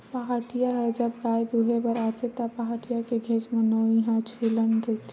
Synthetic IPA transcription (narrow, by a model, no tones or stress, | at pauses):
pəɦaʈijaɦɛd͡ʒəbɡaːjd̪uɦebəɾat̪ʰet̪apaɦaʈijakeɡʱeːt͡ʃmẽnoiɦãt͡ʃʰelənɾɛt̪ʰ